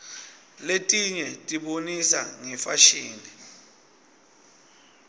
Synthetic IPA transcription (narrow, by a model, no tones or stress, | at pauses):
letʼiɲɛtʼiɓonisa̰ŋɛfaʃiːni